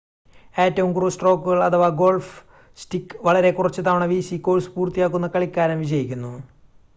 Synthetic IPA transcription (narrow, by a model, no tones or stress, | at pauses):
e̞ːtːɐʋumkursʈro̞ːkːuɣɐɭɐt̪ʰɐʋaːɡo̞ːɭf | sʈikːɨʋɐɭɐɾe̞kurɐt͡ɕːɨt̪̬aːʋɳɐʋiːsiko̞ːlspuːrt̪ijaːkːunːɐkɐɭikʲːaːɾɐmʋid͡ʑɐjikʲːunːu